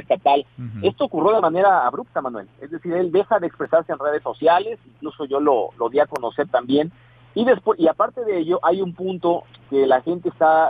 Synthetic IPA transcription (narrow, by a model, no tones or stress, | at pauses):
est̪at̪ale̞st̪oːkurjo̞ð̞e̞mãne̞ɾaːβɾup̚t̪amãnwe̞̰le̞zðe̞siɾe̞ld̪e̞xaðeːkspɾe̞saɾse̞enre̞ð̞e̞sːo̞sjale̞siŋkluso̞ʝo̞lo̰lo̞ðiako̞no̞se̞ɾt̪ambje̞n | iðe̞spweiapaɾt̪e̞ðeeʝo̞ʔajumpũnt̪o̞ke̞laxe̞nt̪eːst̪a